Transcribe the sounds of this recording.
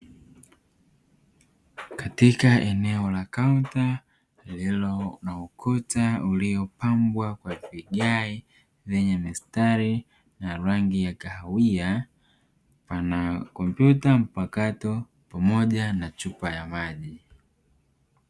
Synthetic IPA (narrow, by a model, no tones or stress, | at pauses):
katikaʔɛnɛɔlakaunta | lilɔnaɔkʰɔtauliɔpambwakwapiɡai | vɛɲamistaɾi | naɾaŋɡijakahawia | panakɔmpjutam̩pakatɔ | pamɔʄanat͡ʃupajamaʄi